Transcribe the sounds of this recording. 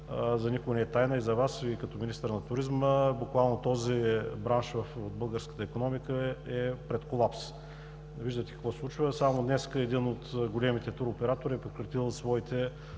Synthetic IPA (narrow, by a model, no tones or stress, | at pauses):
zɐnikʊnɛɛt̪ajnəizɐvasikɐt̪ɔminist̪əɾnɐt̪ʊɾizməbʊkvalˠnot̪ɔzibɾanʃvɐfod̪̚bɤlˠɡəɾskə̥t̪əikonɔmikəɛpɾɛt̪kolˠaps | viʒd̪ət̪ɛ̥kɐ̥kvɔslˠut͡ʃvəsamod̪nɛskəɛd̪inot̪ɡolɛmit̪ɛt̪uɾopɛɾat̪oɾiɛpɾekɾɐt̪ilˠsvɔit̪ɛ